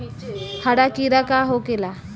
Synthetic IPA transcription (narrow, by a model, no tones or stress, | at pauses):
haɽakiɾakaɦokela